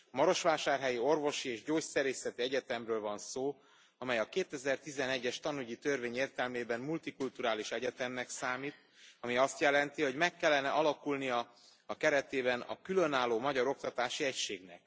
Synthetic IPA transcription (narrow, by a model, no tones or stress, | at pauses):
mɒɾo̞ʃʋaːʃaːrɦɛjio̞rvo̞ʃieːʒɟoːcsɛɾeːsɛt̪iɛɟɛt̪ɛmrøːlvɒnsoː | ɒmɛjɒkeːt̪ɛzɛrt̪izɛnɛɟːɛʃt̪ɒnuɟit̪ørveːɲeːrt̪ɛlmeːbɛmːult̪ikult̪uɾaːliʃɛɟɛt̪ɛmːɛksaːmiːt̪ | ɒmiɒst̪jɛlɛnt̪iho̞ɟmɛkːɛlːɛnɛʔɒlɒkulnijɒː | kɛɾɛt̪eːbɛnɒ̰kylø̞naːlːoːmɒɟɒɾo̞k̚t̪ɒt̪aːʃiɛcʃeːɡnɛ̰k̚